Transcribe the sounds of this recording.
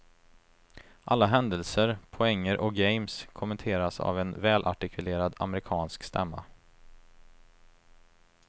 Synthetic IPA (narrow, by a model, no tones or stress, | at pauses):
ʔalːaɦɛnd̪əlsəɾpʰɔɛŋːəɾʔɔk̚ɡɛɪmskʰʊmɛnt̪ʰeːɾasa̰vɛnvɛːlʔa̰ʈɪkʰɵleːɾad̪a̰məɾɪkʰɑːnskst̪ɛ̰mːa̰